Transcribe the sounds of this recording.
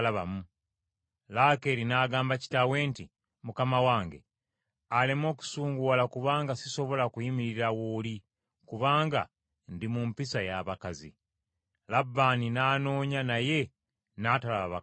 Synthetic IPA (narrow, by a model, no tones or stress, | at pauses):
laβamu | lake̞ɾinaːɡaːmbaci̥tawe̞ːnti | mukamawaːŋɡe̞̰ | alemo̞ːku̥suːŋɡuwalakuβaːŋɡasiso̞βo̞lakujimiɾiɾawoːli | kuβaːŋɡa̰ | ndimumpisajaːβakazḭ | labːaːninaːno̞ːɲanaje̞ | naːtalaβaβa